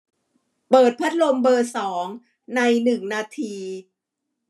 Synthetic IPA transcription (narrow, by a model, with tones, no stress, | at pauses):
pɤː˨˩t̪̚pʰa˦˥t̪̚lo˧mbɤː˧sɔː˩˦ŋ | na˧jnɯ˨˩ŋnaː˧t̪ʰiː˧